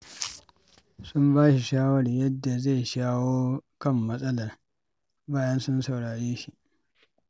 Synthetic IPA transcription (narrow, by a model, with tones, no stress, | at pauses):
sʊ˦mbaː˦ʃi˨ʃaː˦wɐ˦rjɐ˦dːa˨za˦˨jʃaː˦woː˦kɐ˦˨mːɐ˦sʼɐ˦lɐ˨r | baː˦jɐ˦nsʊ˦nsa˨wɽaː˨ɽeː˦ʃi˦ʔ